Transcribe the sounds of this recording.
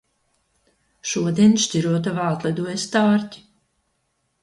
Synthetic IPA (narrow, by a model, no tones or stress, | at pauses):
ʃuɔd̪iɛnʃtʲiɾuɔt̪̬avaːt̪lˠɛd̪uɔjst̪aːɾtʲi̥